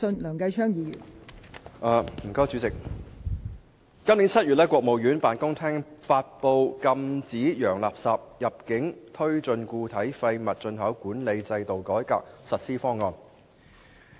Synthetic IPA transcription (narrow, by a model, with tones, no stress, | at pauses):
ɵ˧nlœː˨˩ŋkɐ˧jt͡ʃʰœː˥ŋjiː˨˧jy̰ː˨˩n | ʔaː˨˧m̩˨˩kɔː˥jt͡ʃyː˨˥t͡sɪ˨k̚ | kɐ˥mliː˨˥nt͡sʰɐ˥t̚jyː˨t̚lɛː˥kwɔː˧k̚mo˨wjyː˨˥npaː˨nkʊ˥ŋt̪ʰɛː˥ŋfaː˧t̚po˧wkɐ˧mt͡siː˨˥jœː˨˩ŋlaː˨˩p̚saː˨p̚jɐ˨p̚kɪ˨˥ŋt̪ʰɵ˥ɥt͡ʃɵ˧nkuː˧t̪ʰɐ˨˥jfɐ˧jmɐ˨t̚t͡ʃɵ˧nɦɐ˨˥wkuː˨˥nle˨˧jt͡sɐ˧jt̪o˨wkɔː˨˥jka̰ː˧k̚sɐ˨t̚siː˥fɔː˥ŋːɔː˧n